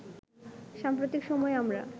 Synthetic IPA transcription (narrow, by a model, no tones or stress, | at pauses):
ʃampɾot̪ikʃɔmɔeamɾa̰